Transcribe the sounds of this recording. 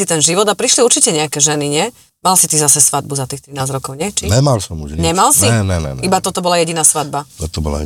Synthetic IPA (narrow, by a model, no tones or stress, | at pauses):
it̪ɛnʒiʋɔd̪apɾiʃliuɾt͡ʃicɛɲɛakɛʒɛniɲɪɛ | malsit̪izasɛsʋad̪̚buzat̪iːxt̪ɾinaːzɾɔkɔʊɲɪɛt͡ʃiɛmalsɔmuʒɲɛmalsiɛnɛnɛ̰ibat̪ɔt̪ɔbɔlajɛɟinaːsʋad̪̚bat̪ɔt̪ɔbɔla̰